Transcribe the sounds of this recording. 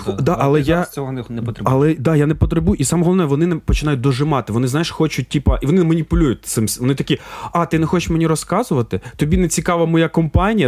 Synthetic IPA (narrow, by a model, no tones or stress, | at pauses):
d̪ɑʔɐlˠɛjat͡sʲɔɦnɛɔt̪ɾɐlˠɛd̪ɑjanɛpɔt̪ɾɪbujʊʔisɑmɔɦɔlˠʋnɛʋɔnɪnɛpɔt͡ʃɪnɑjʊt̚ʲd̪ɔʒɪmɑt̪ɪʋɔnɪzɑjɪʃxɔt͡ʃʊt̚ʲtʲipɐʔiʋɔnɪnmɐnʲipʊlʲujʊt̚ʲt̪sɪmsʲʋɔnɪt̪ɐkʲiɑt̪ɪnɛxɔt͡ʃɪʃmenʲirɾɔskɑzʊʋɐt̪ɪt̪ɔbʲinet͡sʲikɑʋɐmɔjakɔmpɑnʲijɐ